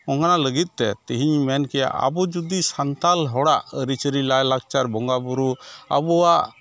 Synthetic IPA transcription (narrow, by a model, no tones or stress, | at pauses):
ɔŋkanaləɡit̪̚t̪ɛt̪iɦiɲmɛnkɛja̰ʔa̰bud͡ʒud̪isant̪alɦɔɽaʔəɾit͡ʃəɾilajlak̚t͡ʃaɾbɔŋɡabuɾua̰bɔaʔ